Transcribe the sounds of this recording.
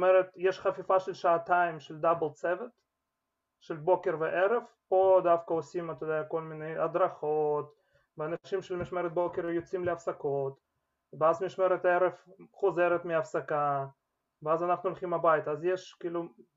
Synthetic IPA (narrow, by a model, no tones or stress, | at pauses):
meɾet̪jeʃχafifaʃelʃaːt̪aimʃeld̪abelt͡sevet̪ | ʃelbo̞keɾveʔeɾev | o̞d̪afkaosimat̪ojd̪ejako̞lmineja̰d̪ɾaχot̪ | veanaʃimʃelmiʃmeɾet̪̚bo̞keɾvejot͡simleafsakot̪ | veazmiʃmeɾet̪eɾevχozeɾet̪miafsaka | veazanaχnulχimabajit̪aazjeʃkiiːlu